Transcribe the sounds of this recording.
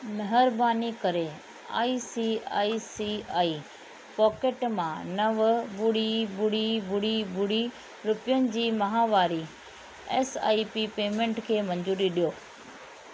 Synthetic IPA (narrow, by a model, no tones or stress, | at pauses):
mɐɦəɾbaːnikɐɾe | a̰ːisiːa̰ːisiaːiː | pɔːkeʈmãnɐʋbʊɽibʊɽibʊɽibʊɽi | ɾʊpɪjənɪ̆d͡ʑiːmɐɦaːʋaːɾi | ɛːsa̰ːipipeːmẽɳʈkʰeːmɐ̃ɲd͡ʑuːɾiɗijoː